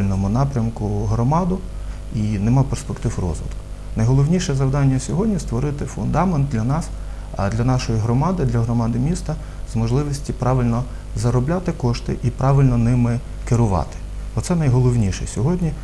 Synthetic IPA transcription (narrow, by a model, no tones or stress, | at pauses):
lʲnɔmʊnɑpɾʲɐmkʊɦɾɔmɑd̪ʊ | inɛmɑwperspekt̪ɪfrɔ̰zʋɪ̰d̪k | nɐjɦɔlˠɔwnʲiʃɛzɐwd̪ɑnʲːɐsʲɔɦɔdʲnʲist̪ʋɔɾɪt̪ɪfʊnd̪ɑment̪̚d̪lʲɐnɑs | d̪lʲɐnɑʃɔjiɦɾɔmɑd̪ɪd̪lʲɐɦɾɔmɑd̪ɪmʲist̪ɐ | zmɔʒlˠɪʋɔsʲtʲipɾɑʋɪlʲnɔ | zɐɾɔblʲɑt̪ɪkɔʃt̪ɪʔipɾɑʋɪlʲnɔnɪmɪ | kɪɾʊʋɑ̰t̪ɪ̥ | ɔt̪sɛnɐjɦɔlˠɔwnʲiʃɛ̰sʲɔɦɔdʲnʲi